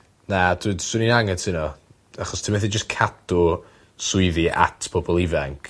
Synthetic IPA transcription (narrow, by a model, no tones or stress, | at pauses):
nad̥uːd̥sɪninaŋɛtʰɪnɔ | aχɔstʰimɛθid͡ʒəskʰadʊ | sʊɨðiʔa̰tʰpʰɔbɔlˠivɛŋkʰ